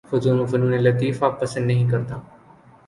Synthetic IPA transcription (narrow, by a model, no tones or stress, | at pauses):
xʊzuːnũːfənũːnẽlət̪̬iːfaːpːəsə̃nd̪nəɦĩːkəɾd̪aː